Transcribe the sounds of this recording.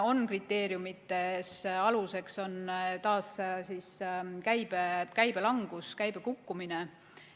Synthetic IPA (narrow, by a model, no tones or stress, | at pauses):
o̞nkrit̪ːˑe̞ːɾjumit̪ːe̞sɑluse̞kso̞nt̪ɑːssiːskæjb̥ekæjb̥e̞lɑŋɡ̥uskæjb̥e̞kukːumine